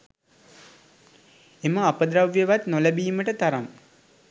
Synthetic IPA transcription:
eməapəd̪ɾaʋjeʋat̪noləbiːməʈət̪aɾam

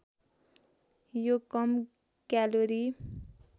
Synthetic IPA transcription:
jokʌm | kaloɾi

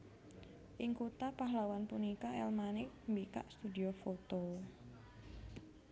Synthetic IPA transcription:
ʔɪŋkut̪apaɦlawanpunikaɛ̰lmanɪk̚mbika̰ʔst̪udiofot̪o

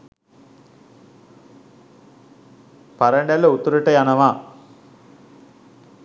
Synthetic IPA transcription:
paɾəɳɖɛlːɐut̪uɾɐʈəjanɐʋaː

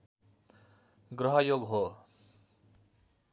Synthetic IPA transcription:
ɡɾʌɦʌjoɡɦo

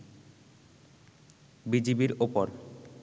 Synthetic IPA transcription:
bid͡ʑibiɾopoɾ

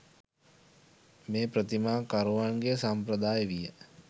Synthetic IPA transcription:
meːpɾət̪imaːkaɾuʋaŋɡesampɾəd̪aːjʋijə

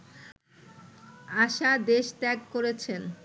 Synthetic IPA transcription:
aʃad̪eʃt̪ɛkːoɾet͡ɕʰen

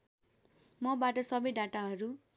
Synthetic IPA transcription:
mʌbaʈʌsʌbʌjɖaʈaɦʌɾu

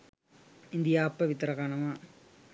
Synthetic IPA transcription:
ɪnd̪ɪjaːɐpːɐʋɪt̪ːɐɾɐkaːnɐmaː

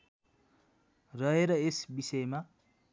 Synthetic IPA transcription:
rʌɦeɾʌesbisʌjma

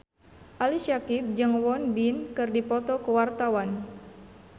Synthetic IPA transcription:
ʔaliʃakip̚d͡ʒəŋwɔnbinkɨrdipɔt̪ɔkəwart̪awan

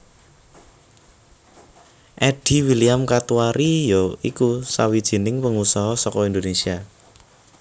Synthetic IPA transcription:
ʔɛɖ̥i̤wiliamkat̪uaɾʔijoikusawid̥ʒ̥i̤nɪŋpəŋusɔɦɔsɔkɔind̪onesia

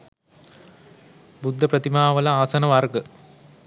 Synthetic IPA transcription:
bud̪ʱːəprət̪imaːʋəlɐaːsɐnəʋarɡə

